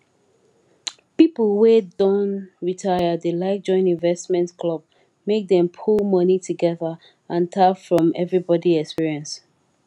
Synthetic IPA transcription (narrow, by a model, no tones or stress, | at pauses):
pipl̩ˠwedõnɹitʰaɪədelaɪk̚d͡ʒɔ̃ɪ̃nĩnvɛstmɛ̃ntkʰlɔb̚ | mek̚dɛ̃mpʰulˠmʌnituɡɛðə | ãntʰafɹɔ̃mɛvɹibɔdiɛkspiɹiɛ̃ns